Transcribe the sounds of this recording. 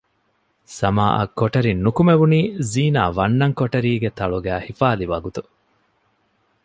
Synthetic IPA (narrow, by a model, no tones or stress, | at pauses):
sɐmaːʔɐ̰kːoʈɐɾinːukumeʋuniːziːna̰ːʋɐnːɐŋkoʈɐɾiːɡet̪ɐɭuɡæːhifaːliʋɐɡut̪u